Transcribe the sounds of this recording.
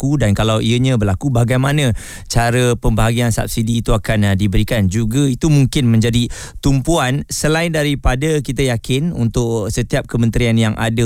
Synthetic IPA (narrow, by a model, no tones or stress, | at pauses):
kudankalawʔiəɲãbəlakubaɡajmanə̃ | t͡ʃaɾəpəmbəɦaɡiansa̰p̚sidiːt̪uakandibəɾikand͡ʒuɡait̪umuŋkɪnmə̃ɲd͡ʒadi | t̪umpuansəlaɪndaɾipadəkit̪ajakɪnṵnt̪ʊʔsət̪iap̚kəmə̃nt̪ɾianjaŋʔa̰də